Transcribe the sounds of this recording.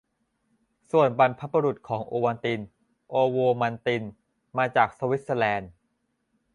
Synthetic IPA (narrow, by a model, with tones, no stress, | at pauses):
su˨˩ənba˧npʰa˦˥ba˧ɾu˨˩t̪̚kʰɔː˩˦ŋʔoː˧wa˧nt̪i˧n | ʔoː˧woː˧ma˧nt̪i˧n | maː˧t͡ɕaː˨˩k̚sa˧wi˦˥t̪̚sa˧lɛː˧n